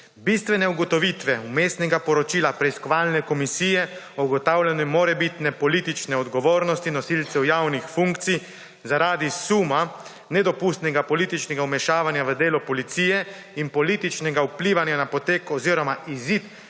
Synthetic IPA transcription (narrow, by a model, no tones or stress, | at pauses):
bist̪ʋɛnɛuɡɔt̪ɔʋiːt̪ʋɛumeːst̪nɛɡapɔɾɔt͡ʃiːlapɾɛiskɔʋaːlnɛkɔmisiːjɛ | ɔɡɔt̪awlʲɛnɔmːoːɾɛbit̪nɛpɔlit̪it͡ʃnɛɔd̪ɡɔʋoːɾnɔst̪inɔsilt̪sɛwjaːwnixfuŋkt̪si | zaɾaːd̪isuma | nɛd̪ɔpuːst̪nɛɡapɔliːt̪it͡ʃnɛɡaumɛʃaːʋanjaʋəd̪eːlɔpɔlit̪sijɛ | inpɔliːt̪it͡ʃnɛɡaupliʋanjanapɔt̪eːkɔziːɾɔmaʔizit̪